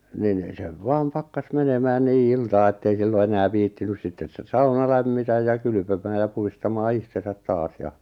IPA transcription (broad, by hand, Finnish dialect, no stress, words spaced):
nin seʋ ʋɑːm pɑkːɑs menemæːn niː iltɑː etːei silːo enæː ʋiːtːinys sitːen sːɑunɑ læmːitæj jɑ kyly̆pømæː jɑ puhistɑmɑː ihtesæt tɑːs jɑ